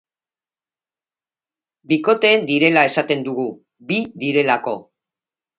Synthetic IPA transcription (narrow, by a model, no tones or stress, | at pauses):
biko̞t̪e̞ːnd̪iɾe̞lae̞sat̪e̞nd̪uɣ̞u | biðiɾe̞lako̞̰